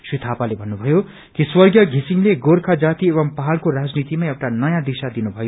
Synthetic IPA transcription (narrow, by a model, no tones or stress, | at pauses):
srit̪ʰapalebʱʌnːubʱʌjo | kiswʌrɡjʌɡʱisiŋleɡorkʰad͡zat̪ieβʌmpaɦalkorad͡znit̪imaewʈanʌjãd̪isad̪inubʱʌjo